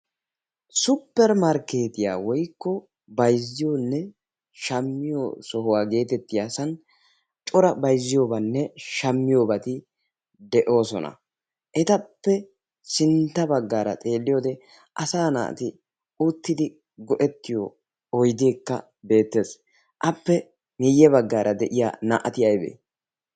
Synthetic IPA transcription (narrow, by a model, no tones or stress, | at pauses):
sʊpːɛɾmɐɾke̞ːt̪ɪja̰ːwɔjkːɔ | bɐjzːɪjoːnːɛ | ʃɐmːɪjosɔɦʊwaːɡe̞ːt̪ɛt̪ːɪjaːsɐn | t͡ʃʼɔɾɐbɐjzːɪjo̞ːbɐnːɛʃɐmːɪjoːbɐt̪ɪ | d̪ɛʔo̞ːsɔ̰nɐ̰ | ʔɛt̪ɐpːɛ | sɪnt̪ːɐbɐɡːaːɾɐ̰t̪ʼe̞ːlːɪjo̞ːd̪ɛ | ʔɐsaːna̰ːt̪ɪ | ut̪ːɪd̪ɪ | ɡɔʔɛt̪ːɪjo | ɔjd̪eːkːɐ̰ | be̞ːt̪ːe̞ːs | ʔɐpːɛ | mɪjːɛbɐɡːaːɾʔɐd̪ɛʔɪja̰ːnaʔɐt̪ɪjɐjbḛː